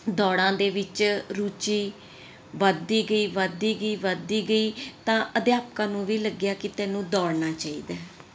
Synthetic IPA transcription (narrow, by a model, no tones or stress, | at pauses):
d̪ɔːɽãːd̪eːʋɪt͡ʃɾuːt͡ʃiː | ʋəd̪iːɡəiːʋəd̪iːɡəiːʋəd̪iːɡəiːt̪ãːʔəd̪jaːpkãːnũːʋiːləɡɪjaːkɪt̪ɛːnũːd̪ɔːɽnaːt͡ʃaːḭːd̪aː